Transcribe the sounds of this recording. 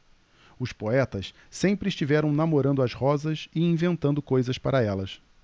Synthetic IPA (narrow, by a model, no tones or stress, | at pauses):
ʊspoɛt̪ɐs | sẽmpɾɪʃt͡ʃivɛɾɐ̃w̃namoɾɐ̃nd̪ʊɐʃhɔzɐsɪĩvẽnt̪ɐ̃nd̪ʊkojzɐspaɾɐɛlɐs